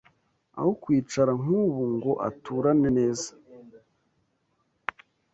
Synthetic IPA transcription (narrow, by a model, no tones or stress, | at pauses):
a̰hokwiːt͡ʃaɾaŋ̥uːβuŋɡo̞ʔa̰tʰuːɾane̞ne̞ːzḁ